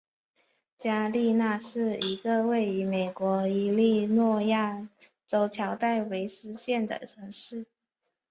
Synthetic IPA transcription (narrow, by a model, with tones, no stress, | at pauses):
t͡ɕja˥li˥˧na˥˧ʂɻ̩˥˩i˧˥ɡə˧we˥˩ɪy˧˥me˨˩ɪkwɔ˧˥i˧˥li˥˧nwɔ˥˧ja˥˩t͡so˧˥ʊt͡ɕʰjɑ˧˥ʊt̪a˥˩ɪwe˧˥ɪsɹ̩˥ɕjɛ˥˩nd̪ə̰˩ʈ͡ʂʰɤ˧˥ŋʂɻ̩˥˩